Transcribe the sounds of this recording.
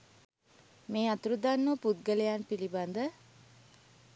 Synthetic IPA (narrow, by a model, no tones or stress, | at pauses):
meːat̪uɾud̪anːəpud̪̚ɡələjanpiliband̪ə